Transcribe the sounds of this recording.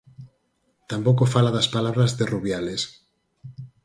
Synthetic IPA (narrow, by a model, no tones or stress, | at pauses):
t̪ampokofalaðaspalaβɾazðeruβjales